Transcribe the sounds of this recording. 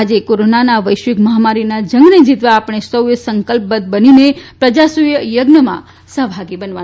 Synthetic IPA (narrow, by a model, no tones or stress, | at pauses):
ad͡ʒekoɾonanaʋəjʃʋɪkməɦamaɾinad͡ʒə̃ŋɡned͡ʒit̪ʋaːpəɽ̃esəwjəsəŋkəlp̚bət̪̚bəninepɾəd͡ʒasujəjəɡnəmã̰ | səɦbʱaɡibənʋa